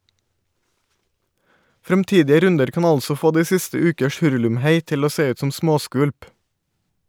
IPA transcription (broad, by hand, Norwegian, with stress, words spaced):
fɾɛmˈtiːdɪə ˈɾʉndəɾ ˈkɑːn ˈɑlsɔ ˈfoː ˈdiː ˈsɪstə ˈʉːkəʃ ˈhʉɹʉlʉmˌheɪ ˈtɪl ˈoː ˈseː ˈʉːt ˈsɔm ˈsmoːˌskʋʉlp